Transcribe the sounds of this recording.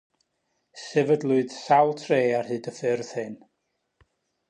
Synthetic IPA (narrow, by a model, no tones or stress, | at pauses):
sɛvədlˠʊɨð̥sawlˠtʰreːarhɨːdəfɪrð̥hɨn